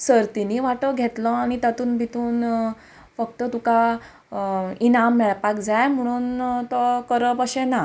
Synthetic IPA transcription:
səɾt̪iniʋaʈəɡʱet̪lə̃aɽ̃it̪at̪uːnbʱit̪uːn | fək̚t̪ət̪uka | inamːɛɭpakd͡zajm̤əɽ̃uːnt̪ɔkəɾəpəɕena

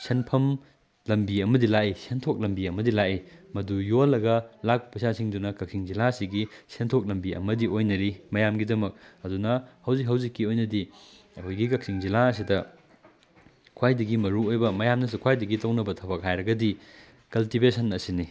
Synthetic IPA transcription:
senpʰɐm | lɐmbiɐmɐdilajisentʰok̚lɐmbiɐmɐdilajʔimɐdujolːɐɡɐlak̚pɐpɐsasiŋdunɐkɐk̚siŋzilasiɡisentʰok̚lɐmbiɐ̰mɐdiojnɐɾimɐjamɡidɐmɐk̚ɐdunɐhɐwzikɦɐwzikːiojnɐdi | ɐkʰojɡikɐk̚siŋzilaɐs̬idɐ | kʰwajdɐɡimɐɾuojbɐmɐjamnɐs̬ukʰwajdɐɡitɐwnɐbɐtʰɐbɐk̚hajɾɐɡɐdi | kɐltibesɐnɐsini

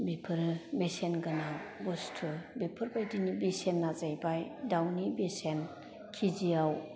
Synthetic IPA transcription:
bepʰɯɾɯbesenɡanabɔstʰɯbepʰɯɾbajdinibesenːazajbajdawnibesen | kʰizijaw

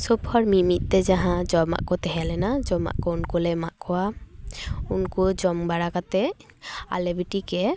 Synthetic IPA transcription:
sobhɔɾmimit̪̚t̪ɛd͡ʒaɦãd͡ʒɔbma̰ʔkot̪ɛɦɛlɛnad͡ʒɔma̰ʔkɔunkolɛmaʔkɔa | unkud͡ʒɔmbaɽakat̪ɛ | a̰lebiʈikɛ

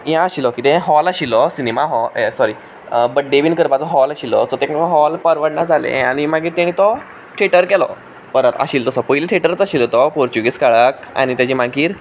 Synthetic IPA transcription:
jãəɕilɔkit̪ɛ̃ɦɔlaɕilɔsinemaɦɔesɔɾi | bəʈ̚ɖeʋiːnkəɾpat͡sɔɦɔlaɕilɔ̰sɔt̪ẽɔ̃ɦɔlpəɾʋəɽɳad͡zʱalḛ̃aɽ̃imaɡiːɾt̪ãɽ̃ĩt̪ɔ | ʈʰeʈəɾkɛlɔ̰ | pəɾət̪ə̰ɕiːlt̪ɔsɔpoiliʈʰeʈəɾt͡saɕilɔt̪ɔpoɾt͡ɕuɡiskaɭəka̰ɽ̃it̪jat͡ɕimaɡiːɾ

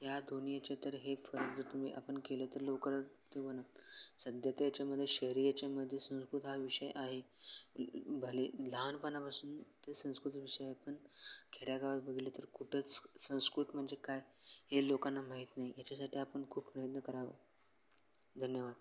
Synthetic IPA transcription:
ɦjad̪onijat͡ɕat̪əɾɦefəɾəkd͡zəɾt̪um̤ḭːʔapəɳkelət̪əɾlokəɾət̪eʋənatsəd̪ʱjət̪jat͡ɕjaməd̪ʱːjeɕəɦɾijat͡ɕaməd̪ʱːjesə̃w̃skɾut̪ɦaʋiʂəj̰ʔaɦe | bʱəlilanpənapasuːnt̪esə̃w̃skɾut̪iʋiʂəjaɦepəɳkʰeɽjaɡʱaʋat̪bəɡʱilət̪əɾkuʈʰət͡ssə̃w̃skɾut̪m̤əɳd͡zekajhelokanːamaɦit̪naɦijat͡ɕasaʈʰiapəɳkʰuːbpɾəjəd̪nəkəɾaʋḛ | d̪ʱənjəʋad̪̚

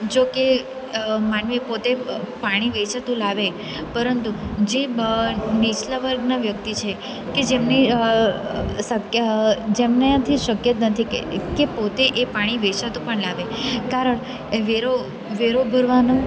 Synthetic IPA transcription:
d͡ʒoke | manʋipot̪epaɽ̃iʋet͡ʃat̪ũlaʋe | pəɾənt̪ud͡ʒe | nit͡ʃlaʋəɾɡnaʋjək̚t̪it͡ʃʰe | ked͡ʒemni | səkd͡ʒemneat̪ʰiʃəkjət̪nət̪ʰḭkepot̪eʔepaɽ̃iʋet͡ʃat̪ũpəɳlaʋekaɾəɳ | ʋeɾo | ʋeɾobʱəɾʋano

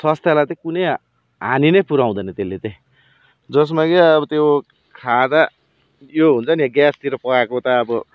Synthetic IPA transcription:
sʌst̪jalat̪ʌ̃kunʌj | ɦaninʌjpuɾaw̃d̪ʌnʌt̪elːet̪ẽ | d͡zʌs̬makiʌbʌt̪e | kʰad̪a | joɦunt͡sʰʌniaɡjast̪iɾʌpʌkakot̪ʌːbʌ

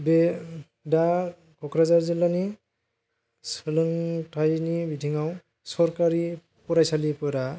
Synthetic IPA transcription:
be | da | kʰɔkʰɾazaɾzilani | sɯlɯŋtʰajnibidʱiŋaw | sɔɾkaɾi | pɔɾajsalipɔɾa

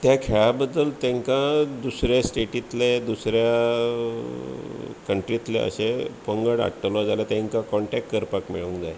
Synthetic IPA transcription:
t̪jakʰeɭabəd̪ːəlt̪ẽŋkãd̪usɾjasʈeʈit̪led̪usɾja | kəɳʈɾit̪lḛə̰ɕepəŋɡəɽa̰ʈːəlɔd͡zalat̪ãŋkãkɔɳʈɛkʈkəɾpakmḭɭũːŋd͡zaj

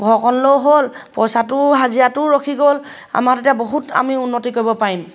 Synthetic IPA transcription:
ɡʱɔkʰɔnlowɦolpɔjsatʊɦazijatʊɹokʰiɡol | a̰matetijaboɦuta̰miunːotikoɹibɔpaɹim

